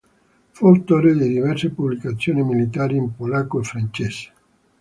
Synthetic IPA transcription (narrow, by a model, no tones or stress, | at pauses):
folt̪oɾed̪ed̪ivɛrsepublikat̪sːjoːnimilit̪aːɾiːmpolakːoefɾant͡ʃese̥